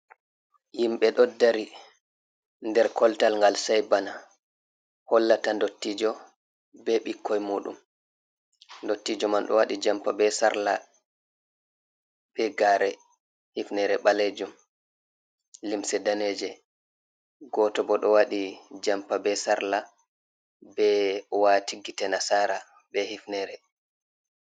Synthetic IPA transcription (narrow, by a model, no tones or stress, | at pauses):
jimɓɛɗɔdːaɾi | ndɛɾkɔltalŋɡalsajbana | hɔlːatandotːid͡ʒɔ | bɛɓikʰːɔjmuːɗṵm | ndotːid͡ʒɔmanɗɔ̰waɗid͡ʒampabɛsaɾla | b̥ɛɡaɾɛ | hifnɛɾɛɓaled͡ʒum | limsɛdaneːd͡ʒɛ | ɡɔtɔbɔɗɔwaɗid͡ʒampabɛsaɾla | bɛwatiɡitɛnasaːɾa | bɛhifnɛɾɛ